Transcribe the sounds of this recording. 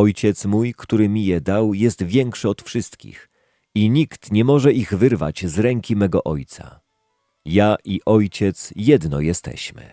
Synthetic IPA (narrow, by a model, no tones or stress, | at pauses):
ɔjt͡ɕɛt̪smujkt̪uɾɘmʲijɛd̪awjɛst̪vʲjɛŋkʂɘɔt̪fʂɘst̪kʲḭx | iɲikt̪ɲɛmɔʐɛiɣvɘɾva̰t͡ɕzɾɛŋkʲimɛɡɔʔɔjt̪sa̰ | jaʔiʔɔjt͡ɕɛt̪sjɛd̪nɔjɛst̪ɛ̰ɕmɘ̰